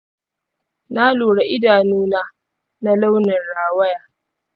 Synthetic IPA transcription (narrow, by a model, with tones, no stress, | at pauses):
naː˦luː˨ɽa˨ʔɪ˦daː˨nuː˦naː˦ | na˦la˦wnɐ˨nɽaː˨wɐ˦jaː˨